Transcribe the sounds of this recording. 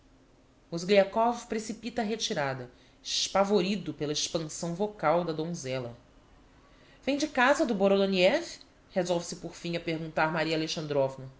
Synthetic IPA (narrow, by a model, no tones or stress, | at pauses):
mozɡliakɔvpɾesipit̪ɐːɦet͡ʃiɾad̪ɐ | ɪʃpavoɾid̪ʊpelɐiʃpɐ̃sɐ̃w̃vokawd̪ɐd̪õzɛlɐ | vẽj̃d͡ʒɪkazɐd̪ʊboɾod̪oniɛf | hezɔwvɪsɪpoɾfĩɲɐpeɾɡũnt̪aɾmaɾiɐaːleʃɐ̃nd̪ɾɔvnɐ